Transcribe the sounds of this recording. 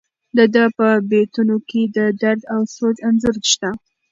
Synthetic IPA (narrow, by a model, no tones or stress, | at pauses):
d̪əd̪əpəbet̪unoked̪əd̪aɾd̪awsod͡ʒanzʊɾʃt̪a